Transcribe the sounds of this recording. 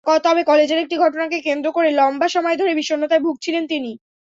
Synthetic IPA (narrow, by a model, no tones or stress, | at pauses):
kɔt̪ɔbekɔled͡ʑeɾek̚ʈiɡʱɔʈonakekend̪ɾokoɾelɔmbaʃɔmɔed̪ʱoɾebiʃonːot̪aebʱuɡ̚t͡ɕʰilent̪ini